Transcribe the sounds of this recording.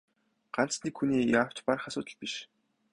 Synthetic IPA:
ɢ̥an̥t͡snikxuniːjaw̥t͡ɕparχasʊːt̪ə̆ɮpiʃ

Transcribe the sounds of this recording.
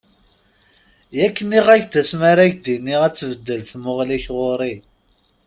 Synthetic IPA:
jækːəniʁæʝd̪æsmaɾæʝd̪inːiʁæt͡sːvəd̪ːəlθmʊʁliçʁoɾˤi

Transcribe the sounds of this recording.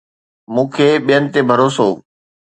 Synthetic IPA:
mũːkʰeːɓijənɪ̆t̪ebʱəɾoːsoː

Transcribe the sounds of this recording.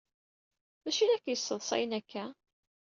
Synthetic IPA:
mæʃinækːjəsːəðˤsˤɑ̰jənækʰːæ

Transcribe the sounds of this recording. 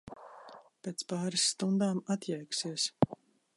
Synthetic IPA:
pʲeːt̪spaːɾisːt̪und̪aːmat̪jɛjksiɛs

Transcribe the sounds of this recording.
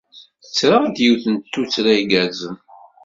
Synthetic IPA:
θət͡sːɾad̪jiwθənt̪ːut͡sːɾæiɡæzəm

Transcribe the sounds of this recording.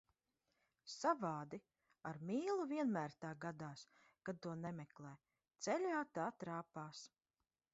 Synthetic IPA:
savaːd̪i | aɾmiːlˠuviɛnmæːɾt̪aːɡad̪aːs | kad̪̚t̪uɔnɛmɛklˠɛː | t̪sɛlʲaːt̪aːt̪ɾaːpaːs

